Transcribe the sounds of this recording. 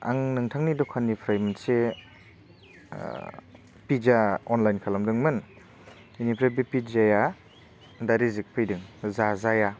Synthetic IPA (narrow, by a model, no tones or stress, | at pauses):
a̰ŋnɯŋtʰaŋnidɔkʰanipʰɾajmanse | pid͡ʒaɔnlajnkʰalɐmdɯŋmɯn | inipʰɾebipizaja | daɾizik̚pʰɯjdɯŋzazaja